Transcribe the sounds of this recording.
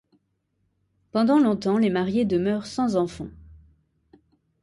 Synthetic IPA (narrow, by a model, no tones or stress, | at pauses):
pɑ̃d̪ɑ̃lɔ̃t̪ɑ̃lemaʁjed̪əmœʁsɑ̃zɑ̃fɑ̃